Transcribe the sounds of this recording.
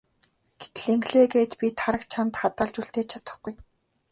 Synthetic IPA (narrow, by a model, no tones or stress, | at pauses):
ɡ̥e̥t̪̆ɮeŋɡɮeːɡeːt̪pʲit̪ʰaɾə̆kt͡ɕʰamt̪χat̪ə̆ɮt͡ɕuɬt̪eːt͡ɕʰat̪ə̆χɡuj